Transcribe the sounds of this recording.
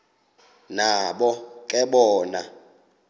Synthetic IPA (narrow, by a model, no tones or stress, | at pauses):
naɓɔkʼɛɓɔːna